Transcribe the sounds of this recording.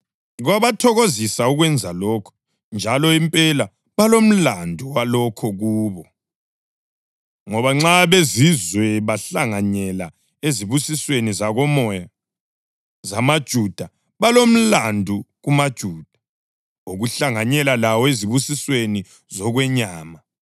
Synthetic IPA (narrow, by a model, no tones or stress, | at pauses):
ɣwaβatʰɔɣozisauɣwɛnd͡zʱalɔkʰɔ̥ | nd͡ʒʱalɔimpʼɛla | βalom̩landʱuwalɔkʰɔɣuːβɔ | ŋɔβaŋ͡ǁaβezizwɛβaɬaŋaɲɛla | eziβusiswenizaɣɔmɔja | zamad̥ʒ̥ʱud̥ʱa | βalom̩landʱuɣumad̥ʒ̥ʱuːd̥ʱḁ | oɣuɬaŋaɲɛlalawɔeziβusisweni | zɔɣwɛɲaːma